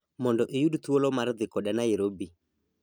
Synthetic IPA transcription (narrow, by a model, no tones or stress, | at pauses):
mɔndɔʔejuɗutuolɔmaɾðɪkɔɗanaeɾobi